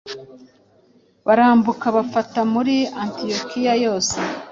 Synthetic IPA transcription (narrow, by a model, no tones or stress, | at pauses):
βaɾaːmbukaβafatamuɾiantijokijajo̞ːse